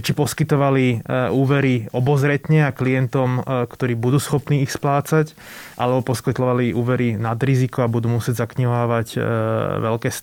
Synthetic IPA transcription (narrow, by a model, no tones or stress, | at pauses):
t͡ʃipɔskit̪ɔʋaliuːʋɛɾiɔbɔzɾɛt̪ɲɛaklijɛnt̪ɔmkt̪ɔɾiːbud̪uːsxɔpniːixsplaːt͡sac | ʔa̰lɛbɔpɔskɛt̪lɔʋaliʔuːʋɛɾinad̪ɾizikɔabud̪uːmusɪɛɟzakɲiɦaːʋaɟʋɛlkɛːs